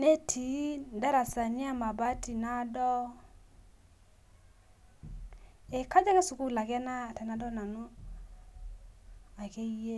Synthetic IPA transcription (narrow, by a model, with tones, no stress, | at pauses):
ne˦tʰi˨˦da˦ɾa˨sa˨ɲɪ˦a˦ma˨ba˦ti˨na˦dɔ˦ | e˨ka˦d͡ʒa˦ke˦su˨ku˦la˨kɛ˦na˦˨ta˨na˨˦dɔ˦na˨nu˦ | a˨ke˦je˦